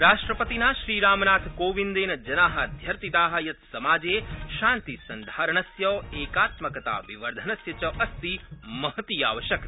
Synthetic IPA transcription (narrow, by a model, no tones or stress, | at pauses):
ɾaːʂʈɾɐpɐt̪inaːʃɾiːɾaːmnaːt̪ʰkoːʋind̪eːnɐd͡ʒɐnaːɦɐd̪ʱjɐɾt̪it̪aːɦɐ̆jɐt̪sɐmaːd͡ʒeːʃaːnt̪isɐnd̪ʱaːɾɐɳɐsjɐːeːkaːt̪mɐkɐt̪a̰ːʋiʋɐɾd̪ʱɐnɐsjɐt͡ʃɐʔɐst̪imɐɦɐt̪ija̰ːʋɐʃjɐk̪